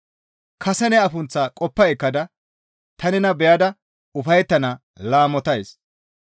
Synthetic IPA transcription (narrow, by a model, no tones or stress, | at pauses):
kʰɐsɛnɛɐfʊnt͡sːɐkʼɔpːɐɛkːɐd̪ɐ | t̪ɐnɛnɐbɛjɐd̪ɐ | ʊfɐjt̪ːɐnɐ | laːmɔt̪ɐjs